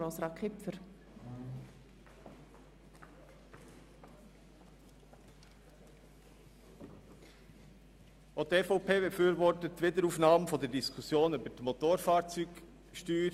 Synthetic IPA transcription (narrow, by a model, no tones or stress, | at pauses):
ɔsɾɑkʰχɪpfəɾ | ot̪efoʊpʰeːbefyːɾʋɔɾtətːʋɪdəɾuːfnɑːmfɔdəɾdiskʰusjoːnybətmot̪oːɾfɑːɾt͡syːk | ʃtyːɾ